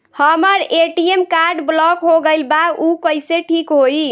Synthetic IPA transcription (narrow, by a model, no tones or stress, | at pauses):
həməɾeʈiemkaɾɖblɔkɦoɡəɪlbaukəɪseʈʰikɦoi